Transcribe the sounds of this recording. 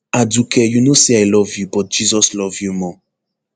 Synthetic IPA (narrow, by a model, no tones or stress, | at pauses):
adukɛjunoseajlɔvjubɔt̚d͡ʒizɔslɔvjumɔ̃